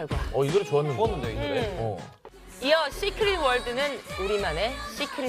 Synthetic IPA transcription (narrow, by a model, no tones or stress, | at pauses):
ɡaʌiɡʌt͡ɕoanːɯnkʌnːɯndeoideʌ̰ | iʌɕ͈ʰikʰɯɾiwʌɭdɯnɯnuɾimane̞ɕʰikʰɯɾi